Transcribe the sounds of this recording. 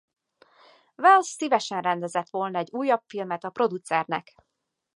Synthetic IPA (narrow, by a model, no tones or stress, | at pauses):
vɛlsːivɛʃɛnrɛnd̪ɛzɛt̪ʋo̞lnɒɛɟuːjːɒpfilmɛt̪ɒpro̞d̪ut̪sɛrnɛ̰k